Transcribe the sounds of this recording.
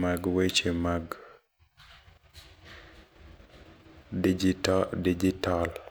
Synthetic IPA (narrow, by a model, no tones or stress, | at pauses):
maɡwet͡ʃemaɡ | d͡ʒitdid͡ʒital